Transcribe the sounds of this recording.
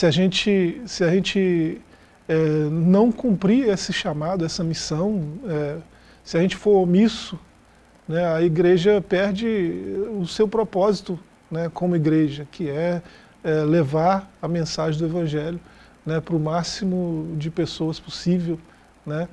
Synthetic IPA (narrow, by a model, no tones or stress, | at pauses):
sɪaʒẽnt͡ʃɪsɪaʒẽnt͡ʃɪ | ɛnɐ̃w̃kũmpɾiɾesɪʃamad̪ʊɛsɐmisɐ̃w̃ɛ | sɪaʒẽnt͡ʃɪ̥foɾomisʊ | nɛɐiɡɾeʒɐpɛɾd͡ʒɪʊsewpɾopɔzit̪ʊ | nɛkõmʊiɡɾeʒɐkʰɪɛ | ɛlevaɾɐmẽsaʒẽd̪ʊevɐ̃ʒɛljʊ | nɛpɾʊmasimʊd͡ʒɪpesoɐsposivew | nɛ